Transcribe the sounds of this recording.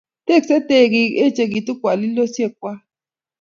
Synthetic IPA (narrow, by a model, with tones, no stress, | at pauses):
t̪e˦˨kse˦t̪e˦˨ɡi˧e˦t͡ʃe˧ɡi˨t̪u˦kʷa˨li˦lo˦sje˦˨k̚wʷa˦